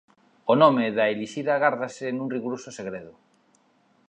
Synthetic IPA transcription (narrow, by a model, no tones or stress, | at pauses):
onomeðaeliʃiðaɣaɾðasenuŋriɣuɾososeɣɾeðʊ